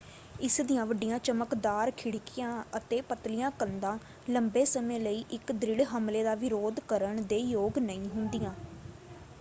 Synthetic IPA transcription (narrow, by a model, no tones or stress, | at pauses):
ɪsd̪ijãːʋəɖijãːt͡ʃəməkd̪aːɾkʰɪɽkɪjãːət̪eːpət̪lɪjãːkənd̪ãː | ləmbeːsəmẽːləiːʔɪkd̪ɾɪɽɦəmleːd̪aːʋɪɾoːd̪kəɾəɳd̪eːjoːɡnəĩːɦʊnd̪ijãː